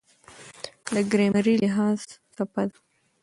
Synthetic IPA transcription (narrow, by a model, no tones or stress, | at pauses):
d̪əɡɾemaɾilɪɦɑz̥sapad̪